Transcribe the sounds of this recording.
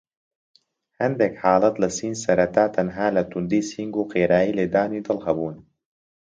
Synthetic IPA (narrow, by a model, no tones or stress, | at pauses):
hɐnd̪ekħaːlɐt̪lɨsiːnsɐɾɐt̪aːt̪ʰɐnɦaːlɐt̪ʰund̪iːsiŋɡuːqeːɾaːiːleːd̪aːniːd̪ɨlˠhɐbuːn